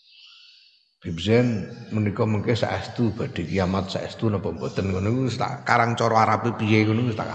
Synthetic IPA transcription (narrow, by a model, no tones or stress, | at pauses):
b̥ibsɛnmənikɔməŋkesa̰ʔɛst̪ub̥a̤ɖ̪̥e̤kijamat̪̚sa̰ʔɛ̰st̪unɔpɔmbɔt̪ənkunikust̪a̰kaɾaŋt͡ʃɔɾɔaɾapipijekunikust̪a̰ka